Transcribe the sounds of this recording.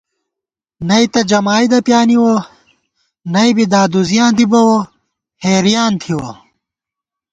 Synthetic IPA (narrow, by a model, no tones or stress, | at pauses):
nɐit̪ɐd͡ʑɐmaːjd̪ɐpjaːniwo | nɐibid̪aːd̪uzijãːnd̪ibɐwo | heːɾijaːnt̪ʰiwo̰